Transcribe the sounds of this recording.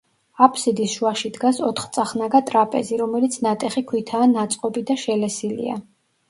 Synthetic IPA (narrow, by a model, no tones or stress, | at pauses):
apʰsid̪isʃuaʃid̪ɡasɔt̪ʰχt̪sʼaχnaɡat̪ʼɾapʼɛziɾɔmɛlit̪sʰnat̪ʼɛχikʰwit̪ʰaːnat̪sʼqʼɔbid̪aʃɛlɛsilḭa̰